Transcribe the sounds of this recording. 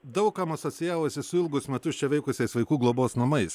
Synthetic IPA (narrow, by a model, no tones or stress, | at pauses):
d̪ɐʊkkɐmɐsoːtsʲɪjæːʋoːsʲɪsʊɪlˠɡʊsmʲɛt̪ʊst͡ʃʲɛʋʲɛɪkʊsʲɛɪsʋɐɪkuːɡlˠoːboːsnɐmɐɪs